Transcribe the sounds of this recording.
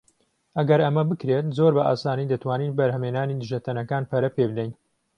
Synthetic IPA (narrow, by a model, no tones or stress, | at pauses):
ʔɐɡɐɾɐmɐbɨkɾet̪zoːɾbɐʔaːsaːnid̪ɐt̪ʰwaːniːnbɐɾɦɐmenaːnid̪ɨʒɐt̪ʰɐnɐkaːnpʰɐɾɐpebɨd̪ɛjn